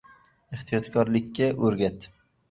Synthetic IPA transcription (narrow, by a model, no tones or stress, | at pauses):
eht̪ʰijɒt̪kʰɒɾlɪkʲːaʔɵɾɡʲat̪